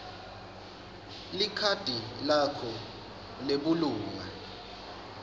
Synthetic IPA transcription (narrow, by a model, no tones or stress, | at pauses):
likʰad̥ʱilakʰɔ | leɓuluːma̰